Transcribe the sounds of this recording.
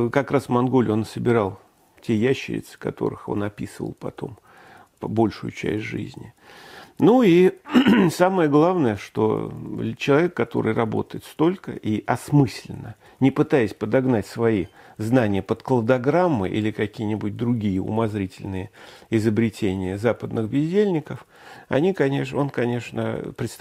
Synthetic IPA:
kɐkɾasvmɐnɡo̞lʲo̞nsəbʲɪɾɑlˠ | tʲʰejæɕːɪ̰ɾʲɪ̰t̪sɨ̥kɐ̰t̪o̞̰ɾɨ̰xo̞̰nɐpʲisɨvə̰lˠpɐ̰t̪o̞̰m | bo̞lʲʂʊjʊ̰t͡ɕɛ̰sʲtʲʐɨ̰zʲnʲɪ | nui | saməjəɡlˠavnəjəʂt̪o̞̰t͡ɕɪlˠɐvʲe̞kːɐt̪o̞̰ɾɨ̰jrɐbo̞̰t̪əjɪt̪st̪o̞lʲkə̰ʔiʔɐsmɨsʲlʲɪ̰nːə | nʲɪpɨt̪ajɪsʲpəd̪ɐɡnatʲsvɐi | znanʲɪjəpət̪klˠəd̪ɐɡɾamːɨ̰ʔḭlʲɪkɐkʲijənʲɪbut̚ʲd̪ɾʊɡʲijəʊ̰mɐzɾʲitʲɪlʲnɨjəɪzəbɾʲɪtʲʰenʲɪjəzapəd̪nɨxbʲɪzʲdʲelʲnʲɪkəf | ɐ̰nʲikɐnʲḛʂo̞nkɐnʲe̞ʂnə̰pɾʲɪt̪st̪

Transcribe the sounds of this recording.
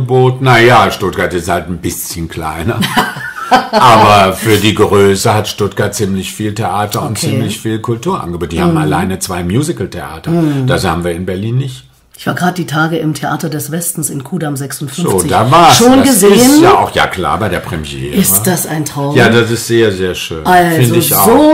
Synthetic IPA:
əboːtn̩najaːʃtʊt̚ɡ̥aɐtɪsthaltn̩bɪsçənkla̰ɪnɐ | ʔaːbɐfyːɐdiːɡəʁøːsəhatʃtʊtɡ̥aɐt̚t͡sɪmlɪçfiːltʰeʔaːtɐʊntt͡siːmlɪçfiːlkʰʊltuːɐʔa̰nɡəboːtnd̥iːhaːbmm̩ala̰ɪnət͡sv̥aɪmjuːzɪkl̩tʰeʔa̰ːtɐd̥ashaːbmviːɐɪnbɛɐliːnːɪçt | ʔɪçv̥aːɐɡʁaːdəd̥iːtʰaːɡəʔɪmtʰeʔa̰ːtɐdɛsv̥ɛstn̩sɪnkʰuːdamzɛksʊntfʏnoːt͡sɪdaːvaːɐʃoːnɡəzeɪːsənjaaʊxja̰ːkla̰ːɐbaɪdeːɐpʁ̥ɛmjḛːɪsʁəd̥asaɪntʁ̥aʊjaːdasɪstz̥eːɐzeːɐʃøːnalɪzndəɪçʔa̰ʊzoː

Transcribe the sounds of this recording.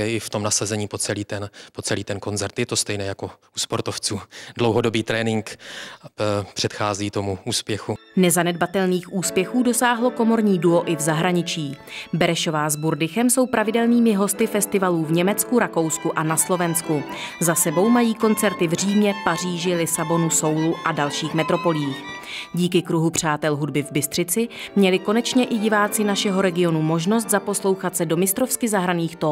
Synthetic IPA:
ɛɪft̪omnasazɛɲiːpot͡sɛliːt̪ɛnpot͡sɛliːt̪ɛnko̞nt͡sɛɾt̪jɛt̪ost̪ɛjnɛjako | uspoɾt̪oft͡suːdlowɦodobiːt̪ɾɛːnɪŋk | pr̝̥ɛt̪xaːziːt̪o̞muuːspjɛxunɛzanɛdbat̪ɛlniːxʔuːspjɛxuːdo̞saːɦlo̞ko̞mo̞ɾɲiːduo̞ʔɪvzaɦɾaɲɪt͡ʃiːbɛɾɛʃo̞vaːzbuɾdɪxɛmso̞wpɾʔavɪdɛlniːmɪɦo̞st̪ɪfɛst̪ɪvaluːvɲɛmɛt͡skuɾako̞wskuʔanaslo̞vɛnsku | zasɛbo̞wmajiːko̞nt͡sɛɾt̪ɪvr̝iːmɲɛpar̝iːʒɪlɪsabo̞nuso̞wluʔadalʃiːxmɛt̪ɾo̞po̞lɪiːx | ɟiːkɪkɾuɦupr̝̥aːt̪ɛlɦudbɪvbɪst̪r̝̥ɪt͡sɪmɲɛlɪko̞nɛt͡ʃɲɛʔɪɟɪvaːt͡sɪnaʃɛɦo̞ɾɛɡɪo̞numo̞ʒno̞s̬t̪zapo̞slo̞wxat̪sɛdo̞mɪst̪ɾo̞fskɪzaɦɾaniːxt̪o

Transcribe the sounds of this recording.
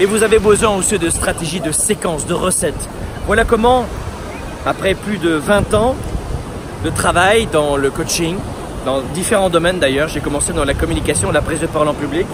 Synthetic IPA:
mɛvuzavebəzwɛ̃osød̪əst̪χat̪eʒid̪əsekɑ̃sd̪əʁəsɛt̪ | vwalakɔmɑ̃ | apχɛplyd̪əvɛ̃t̪ɑ̃ | d̪ət̪χavajd̪ɑ̃ləkot͡ʃiŋ | d̪ɑ̃d̪ifeʁɑ̃d̪ɔmɛnd̪ajœʁʒekɔmɑ̃sed̪ɑ̃lakɔmynikasjɔ̃əlapχizd̪əpaʁɔlɑ̃pyblikʲ

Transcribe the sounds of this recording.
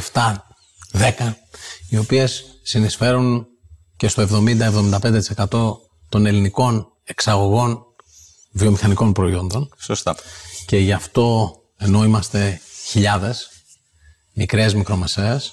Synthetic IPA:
ft̪ɐ | ðe̞kɐio̞pie̞sːinisfe̞ɾun | ce̞st̪o̞evðo̞mind̪ɐevðomind̪ɐpnd̪e̞t̪i̥se̞kɐt̪o̞ | t̪o̞ne̞liniko̞n | e̞ksɐɣo̞ɣo̞n | vio̞mixɐniko̞npɾo̞io̞nd̪o̞nsost̪ɐce̞ʝɐft̪o̞ | e̞no̞imɐst̪e̞çiʎɐðe̞s | mikɾezmikɾo̞me̞se̞ːs

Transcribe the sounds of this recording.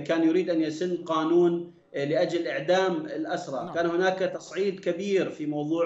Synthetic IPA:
kaːnjʊɾiːd̪ʔanjasɪnːqɑːnuːn | lɪʔad͡ʒalʔɪʕd̪aːmɪlʔasɾˤɑkaːnhʊnaːkt̪ɑsˤʕiːd̪kabiːɾfimɑwðˤuː

